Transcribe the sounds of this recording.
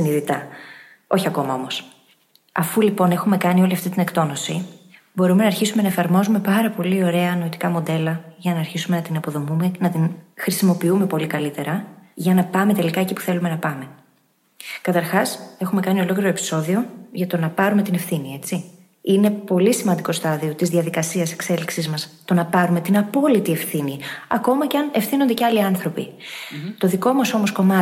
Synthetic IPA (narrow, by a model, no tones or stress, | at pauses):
siniðit̪ɐ | o̞çiɐko̞mɐo̞mo̞s | ɐfulipo̞ne̞xume̞kɐnio̞liɐft̪it̪ine̞kt̪o̞no̞si | bo̞ɾume̞nɐːɾçisume̞nɐe̞fɐɾmo̞zume̞pɐɾɐpo̞lio̞ɾe̞ɐːnoot̪i̥kɐmo̞d̪e̞lɐʝɐnɐːɾçisume̞nɐt̪inɐpo̞ðo̞mumenɐt̪inxɾisimo̞piume̞po̞likɐlit̪e̞ɾɐʝɐnɐpɐme̞t̪e̞likɐe̞cipu̥θe̞lume̞nɐpɐme̞ | kɐt̪ɐɾxɐse̞xume̞kɐnio̞lo̞kliɾoepi̥so̞ðio̞ʝɐt̪o̞nɐpɐɾume̞t̪inefθinie̞t͡si | ine̞po̞lisimɐnd̪iko̞st̪ɐðio̞t̪izðiɐðikɐsiɐse̞kse̞liksizmɐst̪o̞nɐpɐɾume̞t̪inɐpo̞lit̪ie̞fθiniɐ̰ko̞mɐceɐnefθinond̪eceɐliɐnθɾo̞pi | t̪o̞ðiko̞mɐso̞mo̞sko̞mɐ